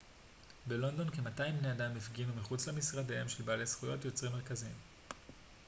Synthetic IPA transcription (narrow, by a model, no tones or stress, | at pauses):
belo̞ndo̞nkemataimbneadamifɡinumiχut͡slemisʁadaemʃelbaːlejsχujo̞tjo̞t͡sʁimeʁ̞kazim